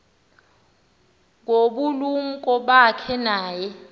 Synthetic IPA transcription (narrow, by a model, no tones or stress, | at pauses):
ŋɡoɓulum̩kʼɔɓakʰɛnaːjɛ